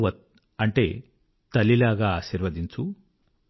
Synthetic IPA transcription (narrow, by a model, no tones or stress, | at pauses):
ʋɐt̪̚ | ɐɳʈe̞̰ː | t̪ɐlːilaːɡaːaːʃiːɾʋɐd̪iɲt͡ʃu